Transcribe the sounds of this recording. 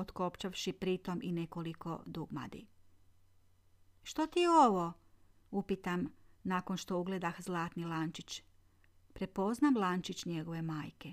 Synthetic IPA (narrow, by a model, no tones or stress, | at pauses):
ot̪ko̞pt͡ʃaʋʃipɾit̪o̞mʔine̞ko̞liko̞̰d̪uɡma̰d̪ḭ | ʃt̪ot̪ioʋo̞ | upit̪amnaːko̞nʃt̪o̞uɡle̞d̪axzlˠaːt̪nilant͡ʃit͡ɕ | pɾepo̞znamlˠant͡ʃit͡ɕɲe̞ɡo̞ʋe̞maːjke̞